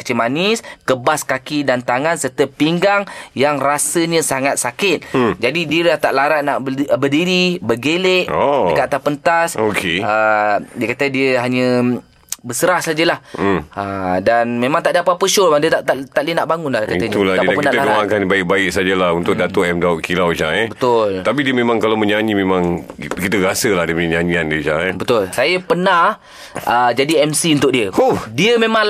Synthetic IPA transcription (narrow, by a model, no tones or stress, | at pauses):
kət͡ʃimanɪskəbaskakidant̪aŋansərt̪əpiŋɡaŋjaŋrasəɲə̃saŋat̪̚sakɪt̪̚d͡ʒadidiəlaht̪aʔlaɾaʔ̪̚naʔbədiɾibəɡeleʔoəkaʔt̪apənt̪asokʰeədiəkat̪ədiəɦaɲə̃ | bəsəɾahsad͡ʒəlahədanmẽmãŋt̪aʔdapat̚pəʃʊrbadiət̪aʔt̪aʔt̪aʔlinaʔbaŋʊnlahdikait̪uladaadankiat̪əkəmãkanbaɪk̚baɪk̚sad͡ʒalahunt̪ʊk̚dat̪oʔɛmdaʊʔkilawt͡ʃãŋɛbət̪ʊlt̪ap̬idiəmẽmãŋkalawmə̃ɲaɲimẽmãŋkit̪əɾasəladəpənəɲaɲiandiət͡ʃa̰ŋbət̪ʊlsajapəna | əd͡ʒadiɛmsiunt̪ʊk̚ʔdiəudiəmẽma